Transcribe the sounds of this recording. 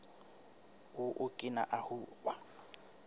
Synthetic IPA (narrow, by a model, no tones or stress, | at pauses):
ʊʔʊkʼɪna̰ʔahuːba